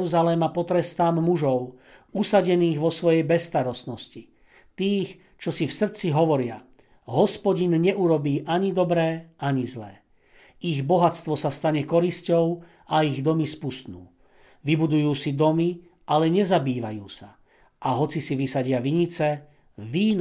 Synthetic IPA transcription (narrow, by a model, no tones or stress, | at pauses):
uzalɛmapɔt̪ɾɛst̪aːmːuʒɔʊusaɟɛniːɣʋɔsʋɔjɛjbɛsːt̪aɾɔst̪nɔsci | t̪iːx | t͡ʃɔsifsr̩t͡siɦɔʋɔɾɪa | ɦɔspɔɟinɲɛuɾɔbiːʔaɲid̪ɔbɾɛːʔaɲizlɛː | iɣbɔɦat͡st̪ʋɔsast̪aɲɛkɔɾiscɔʊ | aiɣd̪ɔmispust̪nṵː | ʋibud̪ujuːsid̪ɔmi | ʔalɛɲɛzabiːʋa̰juːsa | ʔaɦɔt͡sisiʋisaɟɪaʋiɲit͡sɛ | ʋiːn